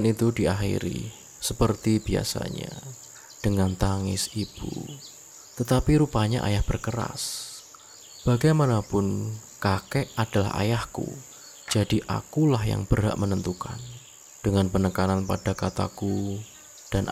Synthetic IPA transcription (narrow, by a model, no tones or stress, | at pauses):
nit̪udiaxḭɾḭ | səpərt̪ib̥ia̰sa̰ɲa̰ | d̥əŋant̪aŋɪsib̥ṵ | t̪ət̪apiɾupaɲaʔa̰jahb̥ərkəɾa̰s | b̥aɡajmanapʊn | kakɛʔad̥ala̰ha̰jahkṵ | d͡ʒ̥adiʔa̰kulahja̰ŋb̥ərɦa̰ʔmənənt̪ukan | d̥əŋanpənəkananpad̥akat̪a̰ku | d̥an